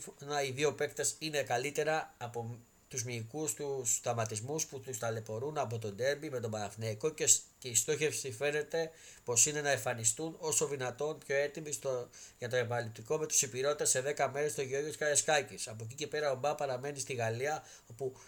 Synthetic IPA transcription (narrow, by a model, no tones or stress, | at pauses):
fonɐiðio̞pe̞kt̪esine̞kɐlit̪e̞ɾɐːpo | t̪uzmiːkust̪usθɐmɐt̪izmusput̪ust̪ɐle̞fo̞ɾunɐp̬o̞t̪o̞nd̪e̞mbime̞t̪̬o̞bɐɾɐfneiko̞ceceist̪o̞çe̞fsife̞ne̞t̪e̞ | po̞sine̞nɐeɱfɐnist̪uno̞so̞ðinɐt̪o̞npço̞e̞t̪imist̪ʝɐt̪o̞e̞pɐnɐlip̚t̪iko̞me̞t̪u̥sipiɾo̞t̪it̪ɐse̞ðe̞kɐme̞ɾe̞st̪o̞ʝo̞ʝot̪iskɐeskɐcisɐpoc̬ice̞pe̞ɾɐobɐpɐɾɐme̞nist̪iɣɐliɐ | o̞pu